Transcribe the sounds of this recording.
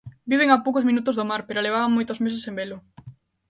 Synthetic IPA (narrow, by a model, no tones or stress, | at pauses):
biβeŋapowkozmĩnut̪ʊzðomaɾpeɾoleβ̞aβaŋmojt̪ozmes̬esembelʊ